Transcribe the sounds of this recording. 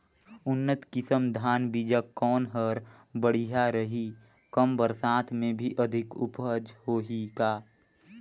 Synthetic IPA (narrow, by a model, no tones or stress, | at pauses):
ʊnːət̪kɪsəmd̪ʱaːnbid͡ʒəkɔːnɦəɾ | bəɽ̤iɦaɾəɦiː | kəmbəɾsãːt̪ʰmẽbʱiʔəd̪ʱɪkʊ̰pəd͡ʒhoːɦikaː